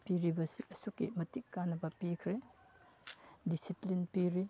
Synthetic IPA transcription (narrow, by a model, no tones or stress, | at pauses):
piɾibɐsiɐsukːimɐtikːanɐbɐpikʰɾe | disiplinpiɾi